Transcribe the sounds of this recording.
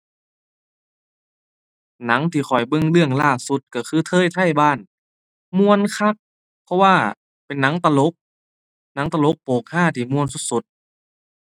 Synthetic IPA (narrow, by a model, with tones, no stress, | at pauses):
na˨˦ŋt̪ʰiː˧˩xʰɔ˨˩jbɤ˧˨ŋlɯ˧əŋlaː˧˩su˧˦t̪̚ka˧˩kʰɯː˧˥˩t̪ʰɤː˧˥˨jt̪ʰa˧˥˩jbaː˧˥˩n | mu˧˥˨ə˨nkʰa˧˥˩k̚ | pʰɔ˧waː˧˩ | pe˨nːa˨˦˥ŋt̪a˧lo˧˦˥k̚ | na˧˦˥ŋt̪a˧lo˧˦˥k̚poː˨˩k̚haː˧˥˩t̪ʰiː˧˩mu˧ənsu˧˥t̪̚su˧˦t̪̚